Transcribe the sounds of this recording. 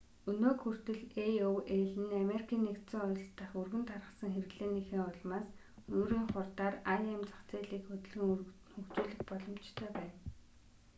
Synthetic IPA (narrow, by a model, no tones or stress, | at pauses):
ɵnoːkxur̥t̪ɵ̆ɮeoweɮɘ̆nameɾikʰiːnːekt̪sɪ̆ŋʊ̆ːɬt̪ːə̆χurɣɘ̆nt̪ʰarʁə̆sə̆ŋxerɘ̆ɣɮeːnexĭːŋʊɮmaːs | noːɾiːŋχʊrt̪aːraemt͡sḁkt͡seːɮiːkxɵt̪̆ɮɣɘ̆ŋ | xɵkt͡ɕuːɮɘ̆xpɔɮɞ̆m̥t͡ɕt̪ʰœːpæːn